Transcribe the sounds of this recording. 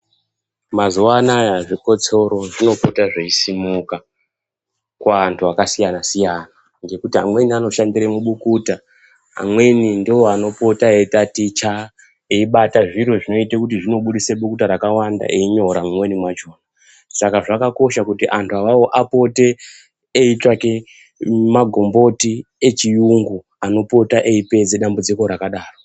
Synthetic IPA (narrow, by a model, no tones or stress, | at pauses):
mazuwanajaʐiko̞t͡so̞ɾo̞ʐino̞putaʐeisimuka | kwaːntʰuakasijanasijana | ŋɡekutiamwe̞niano̞ʃandiɾemuɓukuta | a̰mwe̞nindioano̞po̞taetatit͡ʃa | eiɓataʐiɾo̞ʐino̞itekutiʐino̞ɓuɗiseɓukutaɾakawanda̰ʔeiɲo̞ɾamumwe̞nimwat͡ʃoːna | sakaʐakako̞ʃakutiʔantʰuaʋawo̞ʔapo̞te̞ː | itwake | maɡʱo̞mbo̞tie̞t͡ʃijuŋɡu | ano̞po̞taʔeipe̞d͡zeɗambud͡ziko̞ɾakaɗaːro